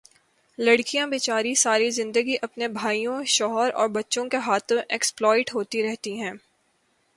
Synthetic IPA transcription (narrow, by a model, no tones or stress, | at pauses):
lɐɽkijãbeːt͡ʃaːɾisaːɾizɪ̃nd̪əɡiʔɐpnebʱaːijõʃɔːɦɔɾɔ̰ːɾbɐtːʃõkeɦaːt̪ʰõʔeksplɔːɪʈɦoːt̪iɾɛɦt̪iɦɛ̃ː